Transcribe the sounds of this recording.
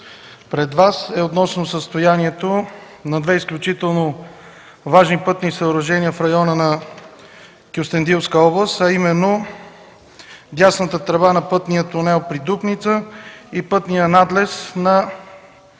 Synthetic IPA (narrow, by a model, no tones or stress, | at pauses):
pɾɛd̪vasɛot̪nɔsnosəst̪ojaniɛt̪o | nɐd̪vɛisklʲut͡ʃit̪ɛlˠno | vaʒnipɤt̪nisəoɾɐʒɛnijəfɾɐjɔnənɐ | kʲiʊst̪ɛnd̪ilˠskəɔblˠəst̪ɐimɛnːo | d̪ʲasnət̪ət̪ɾɐvanɐpɤt̪nijət̪ʊnɛlˠpɾid̪upnit̪səipɤt̪nijənad̪lɛsnɐ